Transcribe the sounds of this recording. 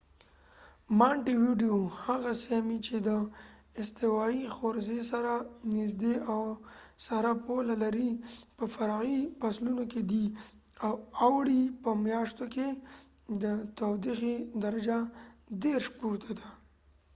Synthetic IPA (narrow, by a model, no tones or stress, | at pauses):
maɳʈiwiɖiohaɣasemit͡ʃed̪əɪst̪ɪwɑixoɾzesaɾanɪzd̪eawsaɾapolalaɾipəfaɾɑɣipaslunoked̪i | awawɽipəmjɑʃt̪oke | d̪ət̪awd̪ixid̪aɾad͡ʒad̪eɾʃpuɾt̪ʰad̪a